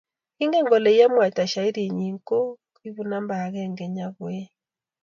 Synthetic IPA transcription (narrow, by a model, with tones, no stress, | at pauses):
i˦ŋɡɛ˦ŋɡɔ˨lɛ˨i˦ja˦mwa˨ta˨ʃa˨i˦ɾi˨ɲi˨ŋko˦ | i˦βu˨na˦mba˨ɣɛ˦ŋɡɛ˨ɲa˦ɣwɛ˦